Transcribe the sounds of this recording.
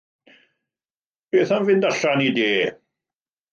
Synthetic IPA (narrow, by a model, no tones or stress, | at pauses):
beːθanvɪndaɬanideː